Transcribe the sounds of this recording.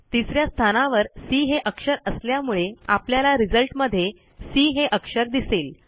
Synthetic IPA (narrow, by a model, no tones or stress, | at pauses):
t̪isɾjast̪ʰanaʋəɾsiɦeʔəkʂəɾəsljamuɭeapljalaɾid͡zəlʈməd̪ʱːje | siːɦeʔəkʂəɾd̪iseːl